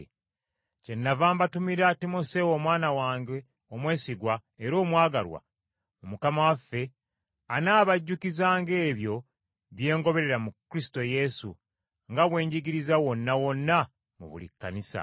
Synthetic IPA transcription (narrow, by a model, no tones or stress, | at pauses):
ce̞nːavaːmbatumiɾatimo̞se̞wo̞mwaːnawaːŋɡe̞ | omwe̞ːsiɡwaeɾo̞ːmwaːɡalwa̰ | umukamawafːe̞ | anaːβaɟːukizaːŋɡe̞ːβjo̞ | βje̞ːŋɡo̞βe̞ɾe̞ɾamukːɾisi̥to̞je̞sṵ | ŋɡaβwe̞ːɲɟiɡiɾizawo̞nːawo̞nːa | mṵβṵlḭkːa̰nisa̰